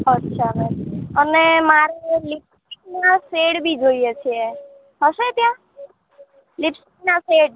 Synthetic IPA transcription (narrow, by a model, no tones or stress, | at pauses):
ətːʃʰameənemaɾelip̚sik̚naseɽbʱid͡ʒoijet͡ʃʰie | ɦəset̪jã | lipsiknaseɽ